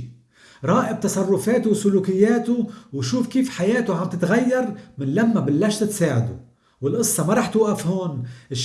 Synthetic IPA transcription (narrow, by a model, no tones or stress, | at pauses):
ɾˤɑːʔɪb̚t̪ɑsˤɑrˤːʊfeːt̪ʊwsʊluːkɪjːeːt̪ʊwʃuːfkiːfħajeːt̪ʊʕamt̪ɪt̪ɣajːɑɾˤmɪnlamːabalːaːʃt̪ɪt̪saːʕad̪ʊ̰ | wɪlʔɨsˤːɑmaɾˤɑːħt̪uːʔafhoːnʔɪʃ